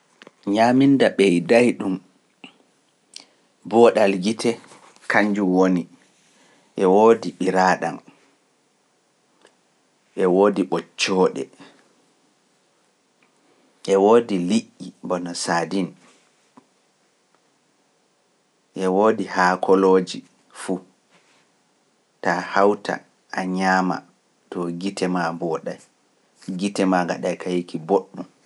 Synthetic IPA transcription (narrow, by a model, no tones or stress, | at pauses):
ɲamindaɓɛjdajɗum | bɔɗalɡitʰɛ | kaɲd͡ʒuwoni | ʔɛwoːdiɓiɾaːɗa̰n | ʔɛwoːdiɓɔt͡ʃːɔːɗɛ̰ | ʔɛwoːdiliʔːibɔnɔsaːdin | ʔɛwoːdihaːkʰɔloːd͡ʒi | fu | tahawtʰa̰ | ʔaɲaːma̰ | tɔɡitʰɛmambɔɗaj | ɡitɛmaɡa̰ɗajkʰajikiboɗːum